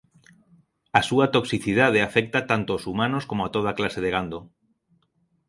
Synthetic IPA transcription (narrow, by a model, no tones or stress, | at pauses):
asuat̪oksiθið̞að̞eafek̚t̪at̪ant̪oosumanoskomoat̪oð̞aklaseð̞eɣand̪o